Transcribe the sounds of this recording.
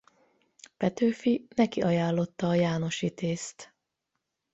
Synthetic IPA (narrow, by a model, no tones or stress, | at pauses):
pɛt̪øːfinɛkiʔɒjaːlːo̞t̪ːɒːjaːno̞ʃit̪eːst̪